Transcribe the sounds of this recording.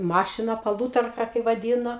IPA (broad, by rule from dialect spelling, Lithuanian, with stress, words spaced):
ˈmɑːʃʲɪnɑː pɐˈlˠuːtɐrkɐ kɐɪ ʋɐˈdʲiːnoː